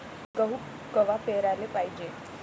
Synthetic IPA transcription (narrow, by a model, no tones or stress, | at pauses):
ɡəɦu | kəʋapeɾalepajd͡ʒe